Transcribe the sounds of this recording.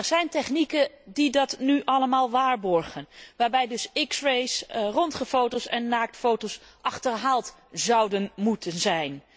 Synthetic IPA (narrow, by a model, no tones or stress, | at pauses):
ɛɹzɛjntɛχnikə | didɑtnyʔɑləmaːlˠʋaːɹbɔɹχənʋaːɹbɛjdɵsɪksɹejsrɔntχəfowtowsɛnːaːk̚tfowtowsʔɑχtəɹɦaːlˠt | zɑwdənmutənzɛjn